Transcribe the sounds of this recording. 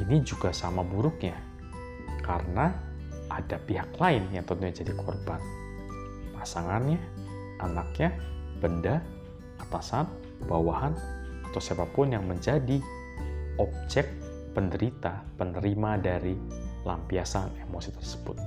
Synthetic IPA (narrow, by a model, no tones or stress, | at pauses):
inid͡ʒuɡasamabuɾʊk̚ɲa | kaɾəna | ʔadapiɦaklaɪnjaŋt̪ənt̪uɲad͡ʒadikʰɔ̰rban | pasaŋanɲa | ʔanak̚ɲab̥ənda | at̪asan | b̥awahanat̪awsebapːʊnjaŋməɲd͡ʒadi | ɔb̚d͡ʒɛk̚ | pəndəɾit̪apənəɾimadaɾi | lampiasanemosit̪ə̥rsə̥b̥ʊt̪̚